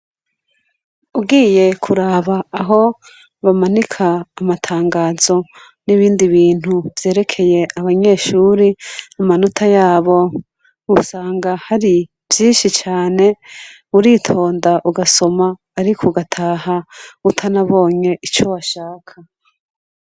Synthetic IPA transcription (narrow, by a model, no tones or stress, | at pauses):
ubɡiːje̞kʰuɾaːβaːɦo̞ | βamanikʰaːmatʰaːŋɡaːzo̞ | niβiːndiβiːn̥huvje̞ːɾe̞kʰe̞je̞aβaɲe̞ːʃuːɾiamanutʰajaːβo̞ | usaːŋɡahaɾi | vjiːnʃit͡ʃaːne̞ | uɾiːtʰo̞ːndaʔuɡaso̞maː | ɾikʰoɡatʰaːhautʰanaβo̞ːɲe̞ʔit͡ʃo̞βaʃaːkʰa